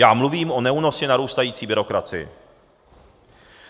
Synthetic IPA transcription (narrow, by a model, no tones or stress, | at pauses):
jaːmluviːmʔo̞nɛuno̞scɪnaɾuːst̪ajiːt͡siːbɪɾo̞kɾat͡sɪ̰jɪ̰